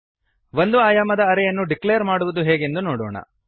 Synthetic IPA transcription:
ʋond̪uaːjaːmɐd̪ɐːɾɛjɐnːuɖiklejɐɾmaːɽuʋud̪uɦeːɡe̞nd̪unoːɽɔːɳɐ̰

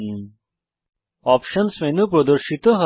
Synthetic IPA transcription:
ɔːpʃɐnsmẽnũp̬ɾɐd̪əɾʃit̪õɦɐ

